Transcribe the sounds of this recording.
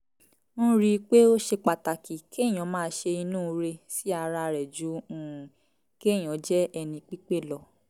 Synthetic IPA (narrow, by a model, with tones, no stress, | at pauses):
ñ̩˦ɾi˧k͡pe˦o˦ʃe˧k͡pa˨ta˨ki˨ke˦˨j̃ɔ̃˨˦mãː˦˧˦ʃe˧i˧nũː˦˧ɾe˧si˦a˧ɾa˧ɾɛ˨d͡ʒũ˨˦˨ | ke˦˨j̃ɔ̃˨˦d͡ʒɛ˦ɛ˧nĩ˧k͡pi˦k͡pe˦˨lɔ˧